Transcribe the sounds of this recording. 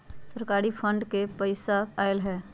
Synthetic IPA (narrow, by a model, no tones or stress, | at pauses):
səɾkaːɾipʰə̃ɳɖkepəɪsaaːɪlɦɛː